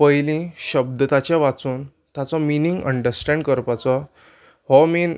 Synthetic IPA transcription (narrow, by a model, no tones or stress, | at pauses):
pəjlĩɕəb̚d̪t̪at͡ɕjaʋat͡suːn | t̪at͡sɔminiŋɡə̰ɳɖəɾsʈɛ̃ɳɖkəɾpat͡sɔ | hɔmiːn